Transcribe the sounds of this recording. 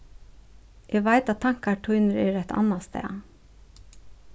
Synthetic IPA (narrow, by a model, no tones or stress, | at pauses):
ʔɛːɡʋaɪt̪ɑt̪t̪ʰɑŋ̥kaʈʰɔʏnəɾɛːɾæt̪ʰɑ̰nːast̪ɛ̰ː